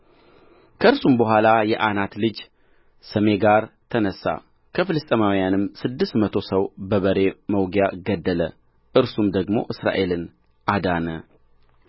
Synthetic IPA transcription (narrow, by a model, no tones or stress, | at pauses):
kʰəɨɾsumbəɦʷalajɛʔanat̪lɨd͡ʒ | səme̞ɡaɾt̪ʰənəsːa̰ | kʰəfɨlɨst̪ʼmawjanɨmsɨd̪ːɨst̪mət̪ʰo̞səwbəβəɾe̞məwɡjaɡəd̪ːələ̰ | ʔɨɾsumd̪əɡmo̞̰ʔɨsɾa̰ʔe̞lɨn | ʔad̪anə